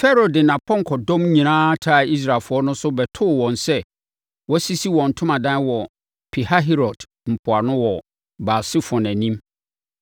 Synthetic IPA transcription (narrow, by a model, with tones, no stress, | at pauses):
fɛ˦ɾo˨dɪ˨nã˨pʰɔ̃˦ŋ˨kʰɔ˨dɔ̃˦mɲĩ˨nãː˦tʰa˦˨i˦s̬ɾa˨lfʊ˨ɔ˦nʊ̃˦sʊ˦bɛ˨tʰʊ˦˨wɔ̃˨nsɛ˦ | wɔ˦si˦si˦wɔ̃˨n̩˨tʰʊ̃˦mã˨dã˦n˦wɔ˨ | pʰi˨ha˦ɦi˦ɾɔ˨d | m̩˨pʰʊ˨a˨nʊ̃˦wɔ˨ | ba˨sɪ˦fɔ̃˨næ̃˨nĩ˦m